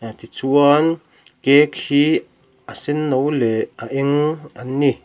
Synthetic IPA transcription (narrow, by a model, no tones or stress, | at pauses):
t̪it͡suɔn | kekhi | ʔasinːowleaʔeŋanːi